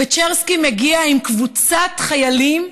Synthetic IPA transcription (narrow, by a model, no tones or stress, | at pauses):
et͡ʃeʁskimeɡiaimkvut͡satχajalim